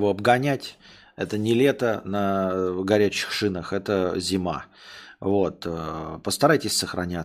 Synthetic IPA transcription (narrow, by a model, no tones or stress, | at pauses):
voɐbɡɐnʲætʲ | ɛt̪ənʲɪlʲet̪ənəɡɐɾʲæt͡ɕːɪ̥xʂɨnəxɛt̪əzʲɪma̰ | vo̞t̪əpəst̪ɐɾajtʲɪsʲsəxɾɐ̰nʲæ